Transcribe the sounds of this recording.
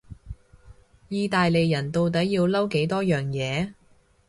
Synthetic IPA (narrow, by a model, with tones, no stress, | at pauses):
jiː˧t̪aː˨jle˨jːɐ˨˩nt̪o˨wt̪̬ɐ˨˥jiː˧wlɐ˥wke˨˥jt̪ɔː˥jœː˨ŋjɛː˨˧